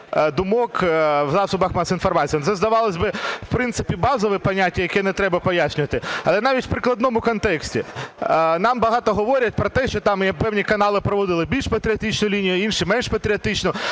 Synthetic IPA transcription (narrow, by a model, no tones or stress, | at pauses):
d̪ʊmɔkwzɑsʊbɐxmɑsʲinfɔrmɑt͡sʲijɐnt̪sɛzd̪ɐʋɑlˠɐsʲbɪwpɾɪnt̪sɪ̥pʲibɑzɔʋɛpɐnʲatʲːɐjɐkɛnɛt̪ɾɛbɐpɔjasʲnʲʊʋɐt̪ɪɐlˠɛnɑʋʲitʲw̥pɾɪklˠɐd̪nɔmʊkɔnt̪ɛksʲtʲḭ | nɑmbɐɦɑt̪ɔɦɔʋɔɾʲjɐt̚ʲpɾɔt̪ɛʃt͡ʃɔt̪ɑmjpɛwnʲikɐnɑlˠɪpɾɔʋɔd̪ɪlˠɪbʲilʲʃpɐt̪ɾʲiɐt̪it͡ʃnʊlʲinʲijʊɐinʃimɛnʃpɐt̪ɾʲiɐt̪ɪt͡ʃnʊ